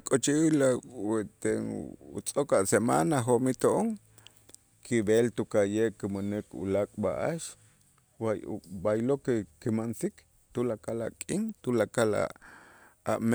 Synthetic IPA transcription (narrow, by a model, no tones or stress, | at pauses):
kʼot͡ʃilaet̪eut͡sʼokaʔsema̰naɦomit̪oʔoŋ | kʰibelt̪ukajeʔkimanekṵlakʼbaʔaʃ | wajbajlokekimansik | t̪ulakala̰kʼiŋt̪ulakala̰ | am